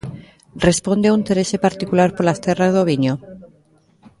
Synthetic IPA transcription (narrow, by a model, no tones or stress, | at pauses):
respond̪eaunt̪eɾesepaɾt̪ikulaɾpolast̪erazðoβiɲo